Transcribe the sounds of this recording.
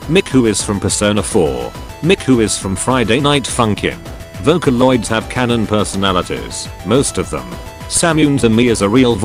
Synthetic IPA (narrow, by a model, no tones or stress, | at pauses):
mɪkhʉɪz̥fɹʌ̃mpʰəsə̃ʊnəfɔ̰ɹ | mɪkhʉɪz̥fɹʌ̃ɱfɹaɪdeɪnaɪtfʌ̃ŋkʰɪ̰̃n | voʊkəlɔɪdz̥əv̥kʰænə̃npʰɜ˞sənælˠəɾḭz̥ | moʊstʌvðə̰̃m | sæ̃mjʉ̃nzɨ̃nmiɨzɨɹilˠv